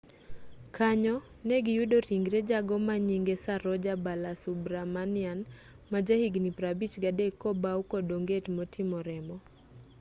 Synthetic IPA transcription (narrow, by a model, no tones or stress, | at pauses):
kʰaɲɔ | nɛɡɪjudoɾiŋɡɾɛd͡ʒaɡɔmaɲiŋɡesaɾɔd͡ʒabalasubɾamanɪan | mad͡ʒahiɡnipɾabit͡ʃɡadɛkːɔbaukɔdoŋɡetmɔtʰimɔɾɛmɔ